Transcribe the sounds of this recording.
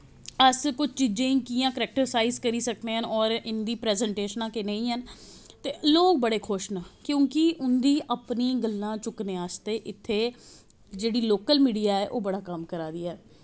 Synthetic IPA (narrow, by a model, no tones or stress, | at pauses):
əskʊt͡ʃʰt͡ʃiːd͡ʒẽːĩːkiːjãːkəɾɛːk̚ʈəɾsaːiːzkəɾiːsək̚d̪eːɦənɔːɾɪnd̪iːpɾɛːzɛɳʈeːʃnãːkɪnəĩːɦən | t̪eːloːk̚bəɽeːkʰʊʃnakjõːkɪʔʊnd̪iːʔəpniːɡəlːãːt͡ʃʊkneːaːst̪eːʔɪt̪ʰːeː | d͡ʒeːɽiːloːkəlmiːɖijaːɛːʔoːbəɽaːkəmkəɾaːd̪iːɛː